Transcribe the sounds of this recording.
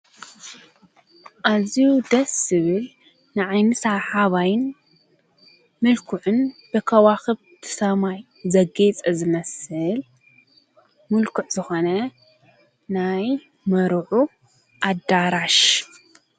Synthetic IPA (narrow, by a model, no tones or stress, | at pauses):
ʔazijud̪ɐsɨβɨl | nɨʕajnɨsaħaβajn | mɨlkʰuʕʊnb̥ɨkʰɐwaxɨβt̪ʰɨ̥sɐmaj | zɐɡet͡sʼɐzɨmɐsɨl | mulkʰɨʕzɨxonɐ | naj | mɐɾʕu | ʔad̪aɾaʃ